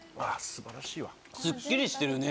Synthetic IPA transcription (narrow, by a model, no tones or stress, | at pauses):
asɨbaɾaɕiːβa | sɨkʲːiɾʲiɕi̥t̪e̞ɾɯ̟ne